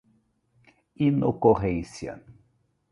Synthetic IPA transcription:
inokoʁẽnsjɐ̰

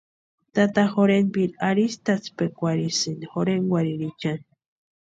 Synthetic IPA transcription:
t̪at̪axoɾenbiɾaɾist̪at͡spekʷaɾisɨnixoɾeŋɡwʷaɾiɾit͡ʃan

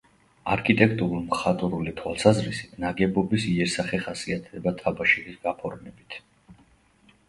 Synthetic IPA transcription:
aɾkʰit̪ʼɛkʰt̪ʼuɾulˠmχat̪ʼuɾulit̪ʰwa̰lˠsazɾisit̪ʰnaɡɛbɔbisiɛɾsaχɛχasiat̪ʰd̪ɛbat̪ʰabaʃilisɡapʰɔɾmɛbit̪ʰ

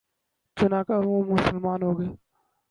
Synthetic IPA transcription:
t͡ʃʊnaːkaʋoːmʊsəlmaːnɦoːɡeː

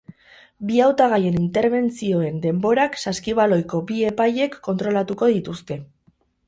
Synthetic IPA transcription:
biawt̪aɣ̞aje̞nint̪e̞ɾβe̞nt͡sio̞e̞nd̪e̞mbo̞ɾaksaskiβ̞alo̞jko̞bie̞paje̞kːo̞nt̪ɾo̞lat̪uko̞ðit̪ust̪e̞

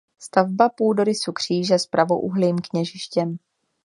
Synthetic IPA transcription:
st̪avbapuːdo̞ɾɪsukr̝̥iːʒɛspɾavo̞̰ʔuɦliːmkɲɛʒɪʃcɛm

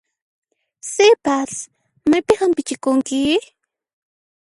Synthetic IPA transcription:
sɪpas | majpɪhampɪt͡ʃɪkʊŋkɪ

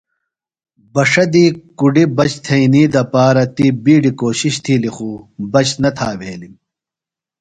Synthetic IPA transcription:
bɐʂɐd̪iːkuɖibɐt͡ɕt̪ʰɐiniːd̪ɐpaːɾɐt̪ibiːɖikoːɕiɕt̪ʰilixuːbɐt͡ɕnɐt̪ʰaːʋeːlim

